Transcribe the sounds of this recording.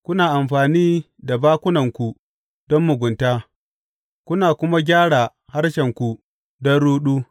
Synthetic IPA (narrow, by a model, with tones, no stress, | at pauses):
kʷʊ˦naː˨ʔa˨mɸaː˨niː˦ | da˨baː˦kʷʊ˦nɐ˨ŋkʷu˨ | d̥ɔ˦mːʊ˨ɡʷʊ˨ntaː˦ | kʷʊ˦naː˨kʷʊ˦ma˦ɡʲaː˦ɽa˨ | ha˦rʃɛ˨ŋkʷu˨ | dɔ˦nɽuː˦ɗuː˦